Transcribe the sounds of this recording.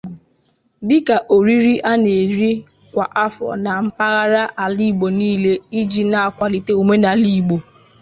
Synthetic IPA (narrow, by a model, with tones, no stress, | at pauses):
dɪ˦ka˨ʔo˨ɾi˦ɾi˦ʔa˦ne˨ɾi˦ | kʷa˨ʔa˦fɔ̰˨na˨m̩˦pa˦ɣa˦ɾa˦ʔa˨li˦˨ɡ͡bo˨niː˦le˦i˦d͡ʒi˨na˨a˨kʷa˦li˨te˦u˨me˦na˨li˦˨ɡ͡bo˨